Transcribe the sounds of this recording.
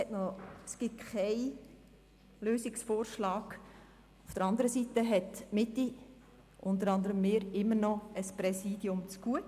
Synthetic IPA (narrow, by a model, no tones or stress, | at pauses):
ɛtnɔəsɡ̥ɪtkʰɛɪ | løːsiksfoːɾʃlɑːɡ̥ | ufd̥əɾɑnd̪əɾəsitəɦɛtmɪtːi | ʔʊnt̪əɾɑndəɾəmːɪːɾɪmːəɾnɔəspɾɛsiːdjʊmt͡sɡ̥uət